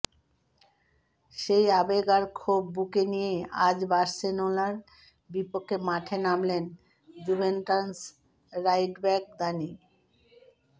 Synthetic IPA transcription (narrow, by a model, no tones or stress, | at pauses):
ʃejabeɡaɾkʰobːukenijead͡ʑbaɾsenolaɾ | bipokʰːemaʈʰenamlen | d͡ʑubʱenʈans | ɾajʈbɛk̚d̪ani